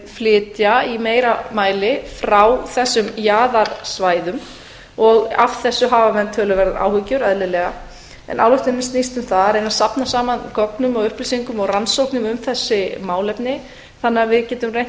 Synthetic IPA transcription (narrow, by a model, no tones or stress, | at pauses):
flɪːt̪jaimeːjɾamaːjlɪfɾawθɛsːʏmjaːðaɾ̥svaːjðʏm | ɔɣavθɛsːʏɦaːvamɛnt̪ʰœːlʏvɛɾðaa̰ːwhʏcʏɾœðlɪlɛɣa | ɛ̰nʔa̰wlɔht̪ɪnːɪst̪nist̪ʏmθaðɛɾejnasapnasaːmankɔknʏmɔɣʏhplisiŋkʏmɔɣransowknʏmʏmθɛsːɪmaːwlɛpnɪ | θanːɪavɪðcɛːt̪ʏmrejn